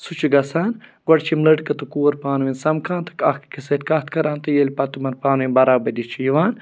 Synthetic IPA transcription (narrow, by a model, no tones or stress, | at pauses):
sut͡ʃʰiɡɐsaːnɡwɐɽt͡ʃʰimləʈkɐt̪ukuːɐɾpaːnʋinsɐmkʰãːnt̪ʰɐ̥kɐxkkiset̪kɐt̪̚ʰkɐɾãːnt̪ɐjelʲpɐt̪umɐnpaːnʋinbɐɾaːbɐd̪it͡ʃʰijiʋaːn